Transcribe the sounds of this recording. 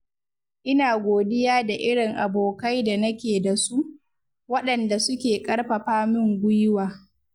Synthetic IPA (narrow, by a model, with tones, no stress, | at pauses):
ʔɪ˦naː˨ɡʷoː˨dɪ˦jaː˦da˨ʔɪ˦ɽɪ˨ŋʔa˨boː˨ka˦jda˨nɐ˦kʲeː˨da˨su˦ʔ | wɐ˦ɗɐ˨nda˨sʊ˦kʲeː˨kʼɐ˦rɸɐ˨ɸaː˦mɪ˦ŋɡʷʊ˦jwaː˨